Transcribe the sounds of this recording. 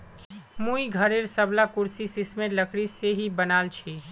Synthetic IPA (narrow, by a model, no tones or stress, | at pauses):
muiɡʱəɾeɾsəblakuɾsisismeləkɽiseɦibənalt͡ʃʰi